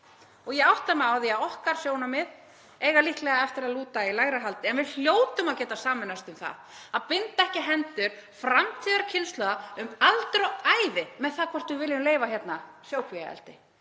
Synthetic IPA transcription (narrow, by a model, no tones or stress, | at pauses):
ɔɣjɛɣawht̪lamɛawθiaðɔhkaɾ̥sjoːwnamɪð | eːjɣalihklɛɣaɛft̪ɪɾaðluːt̪ailaɣɾaɦalt̪ɪɛnvɪl̥joːwt̪ʏmaðcɛːt̪asaːmɪnast̪ʏmθa̰ðaðpɪnt̪aɛhcɪɦɛnt̪ʏɾ̥fɾamt̪ʰiːðaɾcʰɪnst̪lœɣaʏmalt̪ɾoaːjvɪmɛðθaðkʰvɔr̥t̪vʏvɪljʏmleːjvaçjɛt̪na | sjoːwkʰvia̰ɛ̰lt̪ɪ